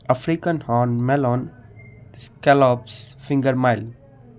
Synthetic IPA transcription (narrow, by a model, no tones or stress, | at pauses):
əfɾikə̃nhɔːnmɛlɔːn | skɛlɔːpsfɪ̃ŋɡəɾmaɪl